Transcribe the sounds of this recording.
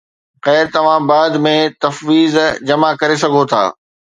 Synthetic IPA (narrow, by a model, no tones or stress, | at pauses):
ɣɛːɾt̪ɐʋ̤ãbaːd̪mẽt̪ɐfʋiːzd͡ʑɐmakɐɾes̬ɐɡʱot̪ʰa̰ː